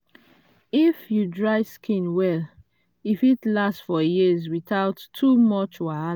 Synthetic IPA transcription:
ifjudɹaɪskʰĩnwɛl | ifitlastfɔjizwiθaʊtʰːumɔt͡ʃwaa

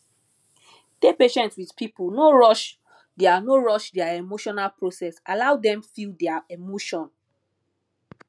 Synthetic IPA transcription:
d̥epeʃɛ̃ntswidpʰipulnoɹɔʃ | deanoɹɔʃdɛaemoʃɔnalpɹosɛsalawdɛ̃mfildɛaemoʃɔ̃n

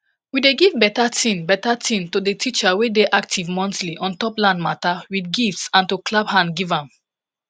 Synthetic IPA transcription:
wideɡivbɛtatʰĩnbɛtatʰĩntodetʰit͡ʃawedeʔak̚tʰivmɔ̃ntliʔɔ̃ntɔplãndmatawidɡiftsãntuklabhãnɡivãm

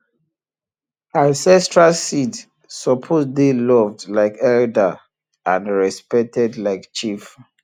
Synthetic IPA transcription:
ãnsɛstɹalsid | sɔpʰosdelɔvdlaɪkɛlda | ãnɹɛspɛk̚tɛdlaɪkt͡ʃif

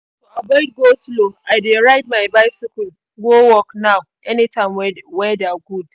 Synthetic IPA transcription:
oabɔɪd̚ɡosloaɪdeɹaɪd̚maɪbaɪsikul | ɡowɔknaw | ʔɛnitʰãmwɛwɛdaɡud̥̚

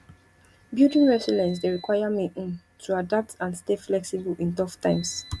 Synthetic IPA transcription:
bjudĩnɹɛsɔlɛ̃ns̬deɹikwajamĩʔ̩n | tʰuadap̚tãnsteflɛksibəlĩntɔftʰãɪ̃ms

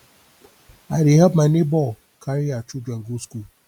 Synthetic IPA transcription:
aɾiɦapmanɪbɔl | kaɾiat͡ʃud͡ʒeŋ̩ɡusku

